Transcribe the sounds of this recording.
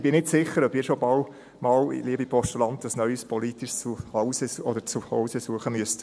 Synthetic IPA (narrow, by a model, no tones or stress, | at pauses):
b̥ɪnɪtsɪχəɾœbɪːɾʃobɑl | mɑːlḭliəbipʰɔʃtulɑntəsnœʏəspʰɔlit̪ɪʃt͡suhɑʊsəɔdəɾt͡suhɔʊsəsuəχəmyəst